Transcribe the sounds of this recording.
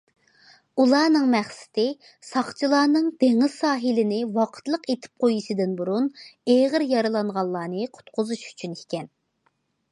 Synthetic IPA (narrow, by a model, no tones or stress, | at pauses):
ulˠɑːnɨŋmɛχsɪ̥t̪ɪ | sɑχt͡ʃʰilˠɑːnɨŋd̪̥eŋɨz̥sɑːɦɪlɪnɪwɑqʰə̥t̪lˠəqet̪ʰɪ̥p̚qʰojiʃɪd̪ɪnbuɾuneʁəɾjɑɾɨlˠɑɴʁɑllːˠɑːnɨqʰʊ̥t̪qʰʊzuʃy̥t͡ʃʰynikʲɛn